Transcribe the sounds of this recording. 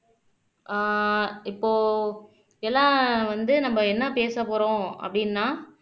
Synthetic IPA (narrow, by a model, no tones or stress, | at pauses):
ʔaɪpːoː | ɛlːãːʋɐnd̪ɯnɐmːɐɛnːɐpeːsɐpoːɾõːɐ̰pːɐɽɪnːaː